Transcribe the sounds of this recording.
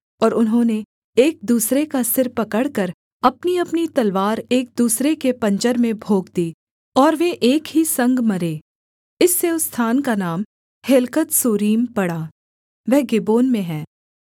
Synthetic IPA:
ɔːɾʊnɦõne | eːk̚d̪uːsɾekasɪɾpɐkəɽkəɾ | ɐpniɐpnit̪ɐlʋaːɾeːk̚d̪uːsɾekepɐ̃ɲt͡ʃəɾmẽbʱoːɡd̪iː | ɔːɾʋeʔeːkɦisɐ̃ŋɡmɐɾeː | ɪsːeʊst̪ʰaːnkanaːm | helkət̪soːɾiːmpɐɽaː | ʋɛɦɡɪboːnmẽɦɛ̃ː

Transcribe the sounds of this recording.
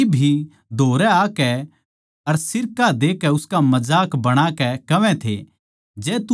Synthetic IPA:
bʱi | d̪ʱoːɾɛaːkɛ | ɐɾsɪɾkad̪eːkɛʊskamɐd͡ʒaːkbɐɽ̃akɛkɐʋɛ̃t̪ʰḛ | d͡ʒɛːt̪u

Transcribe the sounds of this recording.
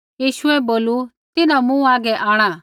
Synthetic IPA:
jiːʃʊɛboːlu | t̪ɪnamũːaːɡɛʔaːɽ̃a

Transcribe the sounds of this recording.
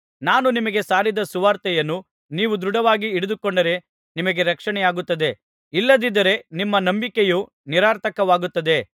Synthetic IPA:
naːnunimɐɡe̞saːɾid̪ɐsuʋaːɾt̪ɛjɐnːu | niːʋud̪ɾuɽɐʋaːɡiːɽud̪ukoɳɖɐɾe̞ | nimɐɡe̞ɾɐkʂɐɳɛjaːɡut̪ːɐd̪e̞ | ilːɐd̪id̪ɐɾe̞nimːɐnɐmbikeju | niɾaːɾt̪ʰɐkɐʋaːɡut̪ːɐd̪e̞

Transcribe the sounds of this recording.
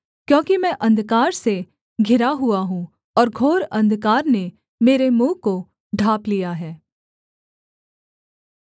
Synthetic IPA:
kjõːkimɛ̃ʔɐ̃nd̪kaːɾse | ɡʱɪɾaɦuaɦũː | ɔːɾɡʱoːɾɐ̃nd̪kaːɾne | meːɾemũːko | ɖʱaːplijaɦɛː

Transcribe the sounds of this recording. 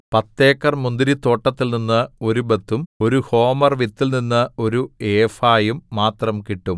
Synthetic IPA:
pɐt̪ːeːkːɐrmund̪iɾit̪o̞ːʈːɐt̪ːilninːɐo̞ɾubɐt̪ːumo̞ɾuho̞ːmɐrʋit̪ːilninːɐo̞ɾueːfaːjumːaːt̪rɐmkiʈːum

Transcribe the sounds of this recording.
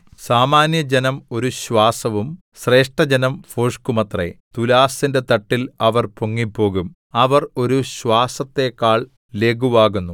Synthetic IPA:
saːmaːnjɐd͡ʑenɐmo̞ɾuɕwaːsɐʋum | ɕre̞ːʂʈɐd͡ʑenɐmfoːʂkumɐt̪rḛt̪ulaːsinde̞t̪ɐʈːilɐʋɐrpoŋːipːo̞ːɣum | ɐʋɐro̞ɾuɕʋaːsɐt̪ːe̞kaːɭ | le̞ːɡuʋaːɣunːu

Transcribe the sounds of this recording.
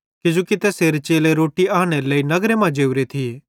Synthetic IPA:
kɪd͡ʒuːkɪt̪ɛseːɾet͡ʃeːleɾoːʈiaːɽ̃eləinɐɡɾemãd͡ʒeːuɾet̪ʰi

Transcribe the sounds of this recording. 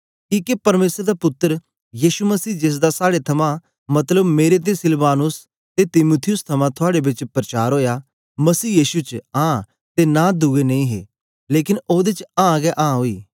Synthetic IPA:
kiːkepɐɾmeːsɾd̪apʊt̪ːəɾ | jiːʃuməsiːd͡ʒɪs̬d̪asaːɽet̪ʰɐmã | mɐt̪ləbmeːɾet̪̬esɪlbaːnʊs | t̪et̪ɪmuːt̪ʰɪjʊst̪ʰɐmãt̪ʰʊaːɽebɪt͡ʃpɾət͡ʃaːɾɦoːja | mɐsiːjiːʃut͡ʃãː | t̪enãd̪uɡenɐ̃ĩɦḛ | leːkɪnoːd̪et͡ʃãːɡɛʔãːɦoːiː

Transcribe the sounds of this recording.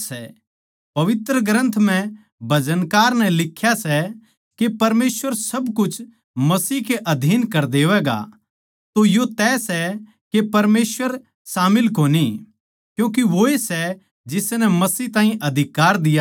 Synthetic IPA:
sɛ | pɐʋɪt̪ɾəɡɾə̃nt̪ʰm̤ɛ̃ | bʱɐd͡ʒənkaːɾnɛlɪkʰːjasɛ | kepɐɾmeːsʋəɾsɐbkʊt͡ʃʰ | mɐsiːkeʔɐd̪ʱiːnkɐɾd̪eːʋɛːɡa̰ | t̪ojot̪ɛːsɛ | kepɐɾmeːsʋəɾ | saːmɪlkoːni | kjũːk̬iʋoesɛ | d͡ʒɪsnɛmɐsiːɦt̪aːɦĩʔɐd̪ʱɪkaːɾd̪ɪja

